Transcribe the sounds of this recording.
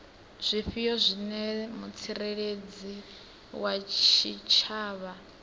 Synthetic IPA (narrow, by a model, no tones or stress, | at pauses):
z̥ʷiɸijɔzʷinɛmut͡sʰiɾeɺed͡zi | wat͡ʃʰit͡ʃʰaːβa